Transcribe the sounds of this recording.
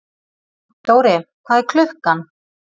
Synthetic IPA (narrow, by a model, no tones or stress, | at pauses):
t̪oːwɾɪkʰvaːðɛɾkʰlʏhkan